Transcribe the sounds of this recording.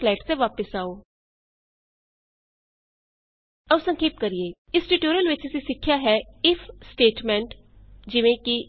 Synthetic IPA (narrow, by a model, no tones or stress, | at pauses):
lɛːʈt̪eʋaːpəsaːoː | əʊsə̃ŋkʰeːp̚kəɾieː | ɪsʈuːʈoːɾijəlʋɪt͡ʃɪsiːsɪkʰːjaːɦɛːɪfʰsʈeːʈmɛ̃ɳʈ | d͡ʒɪʋẽːki